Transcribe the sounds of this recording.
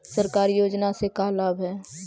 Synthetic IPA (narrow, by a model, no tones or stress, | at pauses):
səɾkaːɾjoːd͡ʒnasekalaːbɦɛː